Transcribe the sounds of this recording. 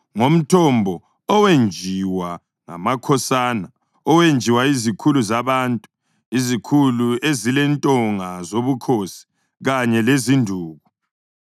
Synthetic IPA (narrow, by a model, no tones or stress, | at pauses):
ŋom̩tʰɔmbʱɔ | ɔwend͡ʒʱiwa | ŋa̰makʰɔsaːna | ɔwend͡ʒʱiwaizikʰuluzaβaːntʼu̥ | izikʰuluezilɛntʼɔŋazoβukʰosi̥ | ɣaɲɛlezindʱuːɣu